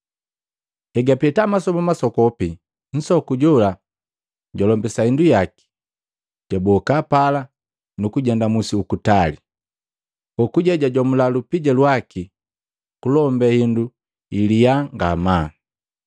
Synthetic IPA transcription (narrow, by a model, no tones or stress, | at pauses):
ɛɡapɛtamasɔmamasɔkɔpi | n̩sɔkuɟɔla | ɟɔlɔmbɛsahindujaki̥ | tɛbɔkapala | nukuɟɛndamusiukutali | ɔkuɟɛɟaɟwamulalupiɟɛlwaki | kulɔmbɛhindu | ilijaŋɡa̰ma